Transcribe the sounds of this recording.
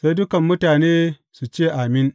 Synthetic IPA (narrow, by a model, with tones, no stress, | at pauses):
sa˦jdʊ˦kɐ˨mːʊ˦taː˨neː˦ | su˨t͡ʃeː˦˨ʔa˨mɪ˦ŋ